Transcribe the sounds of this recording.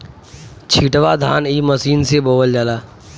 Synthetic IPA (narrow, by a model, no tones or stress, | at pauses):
t͡ʃʰiʈʋad̪ʱaːniːməsiːnseboːʋəld͡ʒalaː